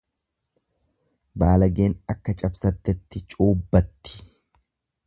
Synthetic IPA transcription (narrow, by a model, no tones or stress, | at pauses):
baːlɐɡeːnɐkːɐt͡ʃʼɐbsɐt̪ːɛt̪ːɪt͡ʃʼuːbːɐt̪ːɪ̥